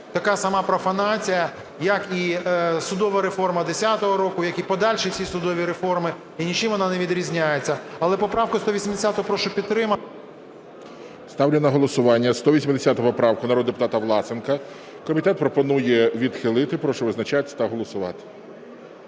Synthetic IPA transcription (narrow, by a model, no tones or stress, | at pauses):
t̪ɐkɑsɐmɑpɾɔfɐnɑt͡sʲijɐ | jɐkisʊd̪ɔʋɐɾefɔrmɐd̪esʲat̪ɔɦɔɾɔkʊjɐkipɔd̪ɑlʲʃɛwsʲisʊd̪ɔʋʲiɾefɔrmɪ | inʲit͡ʃɪmʋɔnɑneʋʲid̪ɾʲizʲnʲajet͡sʲːɐɐlˠɛpɔpɾɑwkʊst̪ɔʋʲisʲimd̪esʲat̪ɔɦɔpɾɔʃt͡ʃɔpʲid̪t̪ːɾɪmɐ | st̪ɑwlʲɪnɐɦɔlˠɔsʊʋɑnʲːɐst̪ɔʋʲisʲmɪd̪ʲesʲat̪ɔɦpɔpɾɑwkʊnɐɾɔd̪d̪epʊ̥t̪ɑt̪ɐʋlˠɑt̪sɪnkɐ | kɔmʲit̪ɛt̪̚pɾɔpɔnujɛʋʲid̪xɪlˠɪt̪ɪpɾɔʃɛʋɪznɐt͡ʃat̪ʲt̪ɐɦɔlˠɔsʊʋɑ̰t̪ɪ̥